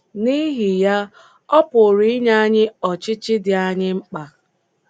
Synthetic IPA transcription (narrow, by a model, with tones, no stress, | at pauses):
ni˦ɦɪ˨ja˦ | ɔ˦pʊ˨ɾi˦ɪ˦ɲa˦ɲɪ˦ɔ˨t͡ʃɪ˦t͡ʃɪ˦dɪ˨a˦ɲɪ˦ŋ͡m̩˦k͡pa˨